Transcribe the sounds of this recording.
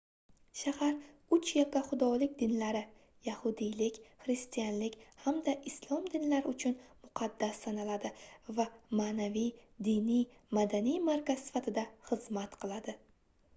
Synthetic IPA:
ʃahaɾʊt͡ʃʰjakʲaχʊd̪ɒlɪkʲd̪ɪnlaɾɪ | jahʊd̪ijlɪkʲχɾɪst̪ijanlɪkʲhamd̪aʔɪslˠɒmd̪ɪnlaɾɪʊt͡ʃʰʊnmʊqʰɑd̪ːasːanalad̪ɪvamanavijd̪ɪnij | mad̪anijmaɾkʲaz̥sɪ̥fat̪ʰɪd̪aχɨzmat̪qʰɨlˠad̪ɪ

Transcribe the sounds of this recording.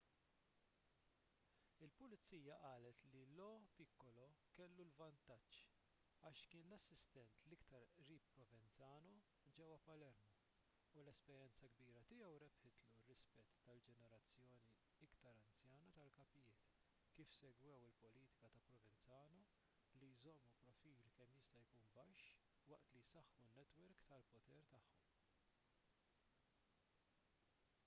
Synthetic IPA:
ɪlpʊlɪt͡sːiːjɐʔɐːlɛt̪lilɔpɪkːɔlɔkɛlːulvɐnt̪ɐt͡ʃː | ɐːʃkɪːnlɐsːɪst̪ɛnt̪lɪkt̪ɐɾʔɾiːpːɾɔvɛnt͡sɐːnɔ | d͡ʒɛwɐpɐlɛɾmɔ | ulɛspɛɾjɛnt͡sɐɡbiːɾɐt̪ɪjɛwɾɛpħɪt̪lurːɪspɛt̪ːɐld͡ʒɛnɛɾɐt͡sːjɔːni | ɪkt̪ɐɾɐnt͡sjɐːnɐt̪ɐlkɐpɪjɪːt̪ | kiːfsɛɡwɛwɪlpɔliːt̪ɪ̥kɐt̪ɐpɾɔvɛnt͡sɐːnɔ | lijzɔmːupɾɔfiːlkɛmːjɪst̪ɐjkuːnbɐʃː | wɐʔt̪lijsɐħːunːɛt̪wɛɾkt̪ɐlpɔt̪ɛɾt̪ɐħːɔm

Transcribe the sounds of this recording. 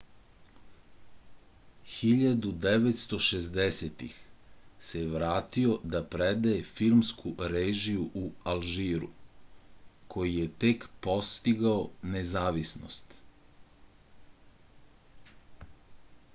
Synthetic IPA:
xiʎad̪ud̪eʋet̪st̪o̞ʃezd̪eset̪ḭxseʋɾaːt̪io̞d̪apɾed̪ajefiɾmskʰuɾeːʒijuʔualʒiːɾṵ | kʰo̞jijet̪ekpo̞st̪iɡaonezaːʋisno̰st̪

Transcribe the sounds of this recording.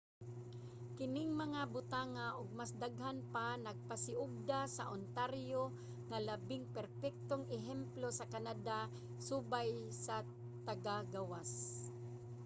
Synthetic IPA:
kɪnɪŋmɐŋabʊt̪aːŋaʔʊɡ̚masd̪aɡɦanpanaɡ̚pasɪʔʊɡ̚d̪asaʔʊnt̪aɾjo | ŋalabɪŋpɛɾpɛk̚t̪oŋɛɦɛmplosɐkanad̪a | subaj | sa | t̪aɡaɡawas

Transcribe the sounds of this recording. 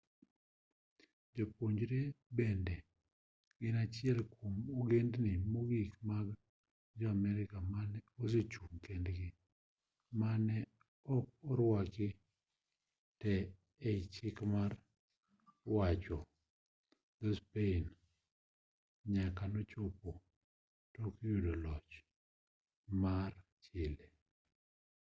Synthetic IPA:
d͡ʒopoɲd͡ʒɾebɛndɛ | ɡɪnat͡ʃɪɛlkʰomoɡendnɪmoɡikmaɡ | d͡ʒɔamɛɾɪkamanɛos̬et͡ʃuŋkendɡɪ | manɛ | ɔkɔɾwakɪ | tɛ | et͡ʃɪkmar | wat͡ʃɔ | d̪ospein | ɲakanot͡ʃopo | tokjudolɔt͡ʃ | mar | t͡ʃɪle

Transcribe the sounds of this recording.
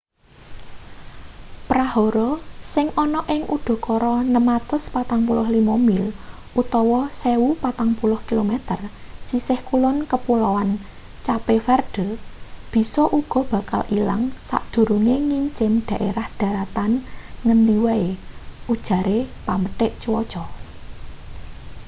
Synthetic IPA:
pɾaɦoɾɔsɪŋʔɔnɔʔɪŋʔud̪̥ɔ̤kɔɾɔnəmat̪ʊspat̪aŋpulʊhlimɔmɪl | ʔut̪ɔwɔsewupat̪aŋpulʊhkilomet̪ərsisɪhkulʊnkəpulɔwan | t͡ʃapefɛrɖ̥ə̤b̥i̤sɔʔuɡ̥ɔ̤b̥ä̤ka̰lʔila̰ŋsa̰ʔd̪̥ṳɾuŋeŋiɲt͡ʃɪmɖ̪̥a̤ʔeɾahd̪̥ä̤ɾat̪anŋənd̪iwaeʔud̥ʒ̥ä̤ɾepaməʈɪʔt͡ʃəwɔ̥t͡ʃɔ

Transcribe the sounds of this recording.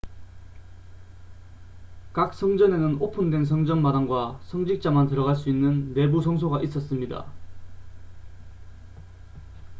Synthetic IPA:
kak̚s͈ʌŋd͡ʑʌne̞nɯnopʰundwe̞ns̬ʰʌŋd͡ʑʌnmadaŋɡwasʰʌŋd͡ʑik̚t͡ɕ͈amantɯɾʌɣaɭs͈uinːɯnːe̞busʰʌŋsʰoɡaʔis͈ʌs͈ɯmɲida̰

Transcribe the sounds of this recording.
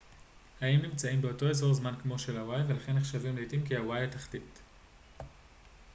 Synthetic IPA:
haimnimt͡saimbeo̞to̞ezo̞ʁzmankmo̞ʃe̞lawajve̞laχe̞nːeχʃavimletimkiawajataχtit

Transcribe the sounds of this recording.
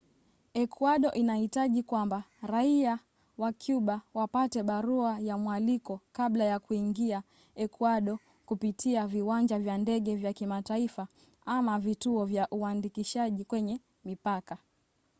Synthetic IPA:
ɛkʰwaɗɔʔinahitaʄikwambaɾaia | wakʰjuɓawapatɛɓaɾuajamwalikɔkaɓlajakuiŋɡia | ɛkwaɗɔ | kupitʰiaviwand͡ʒavjandɛɠɛvjakimataifa | amavituɔvjaʔuandikiʃaʄikwɛɲɛ | mipaka

